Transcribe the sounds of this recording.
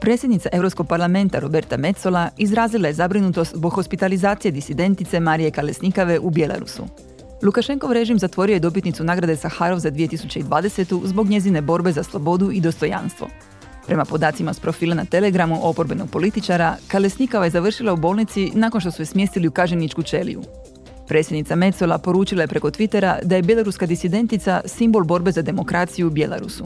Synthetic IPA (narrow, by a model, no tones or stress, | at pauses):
pɾe̞ːt̪sʲjed̪nit̪saʔe̞ʋɾopsko̞ɡ̚paɾlˠame̞nt̪aɾo̞be̞ɾt̪ame̞t̪so̞lˠaizɾaːzlilˠaje̞zabɾinut̪o̞st̪zbo̞ɡxo̞spit̪alizaːt̪sije̞d̪isid̪e̞nt̪it̪se̞maːɾije̞kale̞snikaʋe̞ʔubje̞lˠa̰ɾṵsṵ | lukaʃe̞ŋko̞ʋɾe̞ʒimzat̪ʋo̞ɾiojed̪o̞p̬it̪nit̪sunaːɡɾad̪esaxaːɾo̞ʋzad̪ʋije̞t̪isut͡ɕeid̪ʋaːd̪e̞se̞t̪uzbo̞ɡɲe̞zine̞bo̞ɾbe̞zaslˠobo̞d̪uid̪o̞st̪o̞ja̰nst̪ʋo̞̰ | pɾe̞mapo̞d̪aːt̪simaspɾo̞fiːlˠanat̪e̞le̞ɡɾamuʔo̞po̞ɾbe̞no̞ɡ̥̚po̞lit̪it͡ʃaɾakalesnikoʋaje̞zaʋr̩ʃilˠaubo̞ːlˠnit̪sinaːko̞nʃt̪o̞sujesmje̞ːst̪iliukaʒenit͡ʃkut͡ʃe̞lḭjṵ | pɾe̞ːtsʲje̞d̪nit̪same̞t̪solˠapo̞ɾuːt͡ʃilˠaje̞pɾeko̞t̪ʋit̪e̞ɾad̪aje̞bje̞lˠoɾuskad̪isid̪e̞nt̪it̪sasimbo̞lˠbo̞ɾbe̞zad̪e̞mo̞kɾaːt̪sijubje̞lˠa̰ɾṵsu